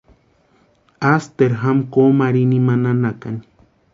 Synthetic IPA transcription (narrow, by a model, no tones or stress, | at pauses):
ast̪eɾɦamkomaɾinimananakani̥